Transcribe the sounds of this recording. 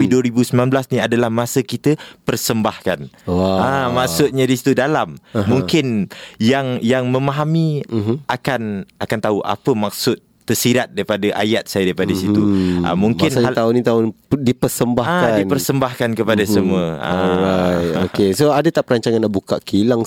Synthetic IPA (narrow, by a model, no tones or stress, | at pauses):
iduəɾibusəmnanblasniadalahmasəkit̪əpərsəmbahkanwaamaksʊt̪̚ɲadisi̥t̪udalamːũŋkɪnjaŋjaŋmə̃maɦamiakanakant̪auʔa̰pəmak̚sʊt̪ːərsiɾat̪̚daɾipadaʔa̰jat̪̚sajadaɾipadaisit̪ua̰muŋkɪnat̪aʊnit̪aʊndipərsəmbahaadinpərsəmbahkankəpadasəmuəa̰ajokesoadat̪aʔpəɾaɲt͡ʃaŋanːaʔbukaʔkilaŋ